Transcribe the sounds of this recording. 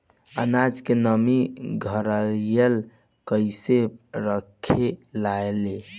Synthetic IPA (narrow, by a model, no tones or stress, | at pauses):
ə̰nad͡ʒkenəmiɡʱəɾəlijəl | kəɪseɾəkʰelaele